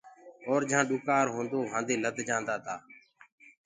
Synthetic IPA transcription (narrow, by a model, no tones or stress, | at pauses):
ɔːɾd͡ʒʱãːɗʊkaːɾɦõːnd̪oːɦãːnd̪eːləd̪ʱd͡ʒãːnd̪aːt̪ʰaː